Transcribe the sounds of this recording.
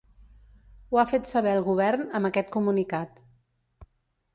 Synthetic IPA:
uafet̪səβɛəlˠɣuβ̞ɛrnəməkɛt̪̚kumunikat̪

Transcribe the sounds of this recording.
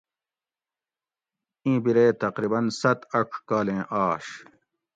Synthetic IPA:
ĩːbiɾeːt̪ɐqɾibɐnsɐt̪ɐʈ͡ʂʰkaːlẽːʔaːɕ

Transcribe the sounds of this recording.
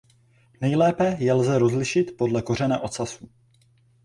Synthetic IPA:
nɛjlɛːpɛjɛlzɛɾo̞zlɪʃɪt̪po̞dlɛko̞rɛnaʔo̞t̪sasu

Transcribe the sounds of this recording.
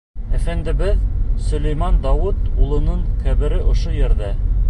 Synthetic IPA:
æfænd̪ɘ̆βɘðsɵ̆læjmɑnd̪ɑwɤt̪ulˠɤ̆nɤɴkæβɘ̆ɾɘʔŏʃojɘ̆ɾðæ

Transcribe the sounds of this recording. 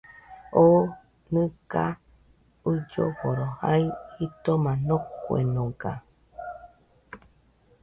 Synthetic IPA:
o | nɨ̃ka | ud͡ʒo̰βoɾohaihit̪omãnokʷwḛnõɡa̰

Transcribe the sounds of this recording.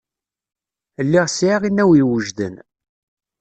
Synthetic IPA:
əlːiʁsʕaʁinːæwiwəʒðə̰n

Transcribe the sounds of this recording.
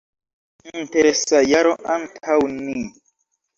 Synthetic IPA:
n̩teɾesajaɾoʔaŋkʰawnĩ

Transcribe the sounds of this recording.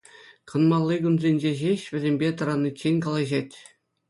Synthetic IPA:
kɤ̆nmɑlˠːiɡunzʲenʲd͡ʑeʑeɕʋʲɘ̆zʲemʲbʲet̪ɤ̆ɾɑnːɯt͡ɕːenʲkɑlˠɑʑetʲ

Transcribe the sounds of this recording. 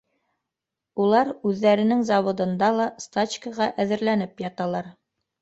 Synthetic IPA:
ulˠɑɾʉðːæɾɘ̆nɘŋzɑwŏd̪ɤ̆nd̪ɑlˠɑst̪at͡ɕkəʁɑʔæðɘ̆ɾlænɘpjɑt̪ɑlˠɑɾ

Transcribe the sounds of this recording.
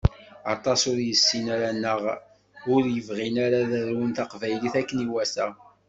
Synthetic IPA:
ɑt̪ˤɑsʊɾjəsːinaɾanːəʁ | ʊɾjəvʁinaɾaðəɾwənt̪ɑqvæjliθækːəniwæsæ

